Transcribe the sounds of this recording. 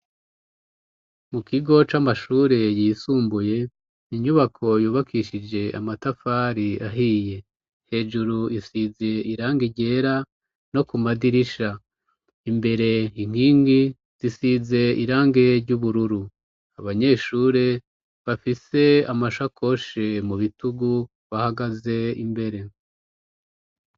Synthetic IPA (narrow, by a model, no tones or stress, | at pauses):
mukiɡo̞t͡ʃamaʃuːɾe̞jisuːmbuje̞ | niɲuβakʰo̞juːβakiʃid͡ʒe̞ʔa̰matafaɾiaɦiːje̞ | he̞ːd͡ʒuɾuisize̞iɾaːŋɡiɟe̞ɾa | no̞kumadiɾiʃa | imbe̞ɾe̞iŋ̥iːŋɡi | z̥isize̞iɾaːŋɡe̞ɾɟuβuɾuɾu | aβaɲe̞ːʃuːɾe̞ | βafise̞amaʃakʰo̞ʃemuβituɡu | βahaɡaze̞imbe̞ɾe̞